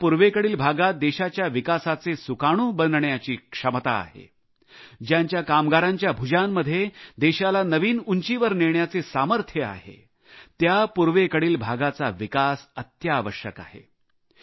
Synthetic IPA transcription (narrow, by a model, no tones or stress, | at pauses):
puɾʋekəɽiːlbʱaɡat̪̚d̪eɕat͡ɕjaʋikasat͡sesukaɽ̃ũːbənd̪ɳjat͡ɕiːkʂəmt̪a̰ːɦḛ | d͡ʑjaɲt͡ɕjakamɡaɾaɲt͡ɕjabʱud͡ʑanːəd̪ʱjed̪eɕalanəʋiːnuɲt͡ɕiʋəɾniɳjat͡sesaməɾt̪ʰjəa̰ɦḛ | t̪japuɾʋekəɽiːlbʱaɡat͡saʋikasət̪jaːʋəɕjəka̰ɦḛ